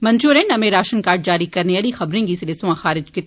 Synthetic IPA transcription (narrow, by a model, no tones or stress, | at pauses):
mɐ̃nt͡ʃuːɾẽnɐmeɾaːʃənkaːɾʈ̚d͡ʒaːɾikɐɾneɐlixɐbɾẽːŋɡisɪlesõãxaːɾɪd͡ʒke